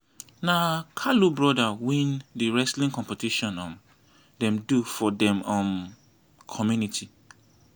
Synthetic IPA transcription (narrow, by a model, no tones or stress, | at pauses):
nãkʰalubɹɔdawĩndiɹɛslĩŋkʰɔ̃mpetʰiʃɔ̃nɔ̃n | dɛ̃mdufɔdɛ̃mɔ̃n | kʰɔmjunitʰi